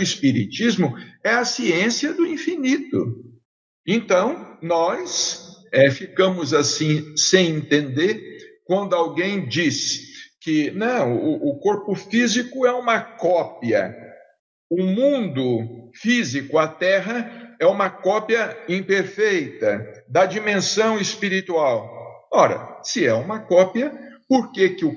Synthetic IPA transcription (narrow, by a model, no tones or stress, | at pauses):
ʊispiɾit͡ʃizmʊɛɐsiẽsiɐd̪ʊĩfinit̪ʊ̰ | ẽnt̪ɐ̃w̃nɔsɛfikɐ̃mʊzasĩsẽj̃ẽnt̪ẽnd̪eɾkwɐ̃nd̪ʊawɡẽj̃d͡ʒiskɪnɐ̃w̃ʊʔːkoɾpʊfizikʊɛũmɐkɔpiɐ̰ | ʊmũnd̪ʊfizikʊɐt̪ɛɦɐɛũmɐkɔpiɐĩpeɾfejt̪ɐd̪ɐd͡ʒimẽsɐ̃w̃ɪspiɾit̪uawɔɾɐ̰sɪɛũmɐkɔpiɐpoɾkekɪʊ